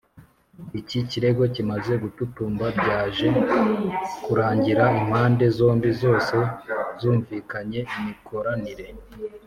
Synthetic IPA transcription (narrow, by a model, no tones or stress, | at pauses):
iciciɾe̞ɡo̞cimaze̞ɡututuːmbabɟaːʒe̞ | kuɾaːɲɟiɾaim̥haːnde̞zo̞ːmbizo̞ːse̞zuːɱviːkaɲe̞imikʰo̞ɾaniɾe̞